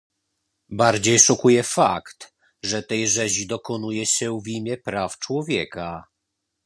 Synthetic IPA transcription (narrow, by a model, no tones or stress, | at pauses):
baɾd͡ʑejʂɔkujɛfa̰kt̪ | ʐɛt̪ɛjʐɛʑid̪ɔkɔnujɛɕɛvʲimʲjɛpɾaft͡ʂwɔvʲjɛka